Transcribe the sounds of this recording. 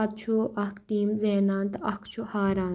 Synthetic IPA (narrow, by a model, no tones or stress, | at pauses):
t̪̚t͡ʃʰuʔɐkʰʈiːmzeːnaːnt̪ɐkʰt͡ʃʰuhaːɾaː